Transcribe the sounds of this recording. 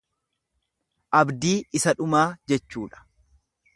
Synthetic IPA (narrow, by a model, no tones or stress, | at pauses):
ʔɐbd̪iːɪsɐᶑʊmaːd͡ʒɛt͡ʃːuːᶑɐ̥